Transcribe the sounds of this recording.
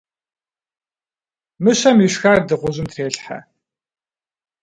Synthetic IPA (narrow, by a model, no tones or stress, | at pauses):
mɨɕɐmiʃxardɨʁʷʊʑɪmtʰreːɬħa̰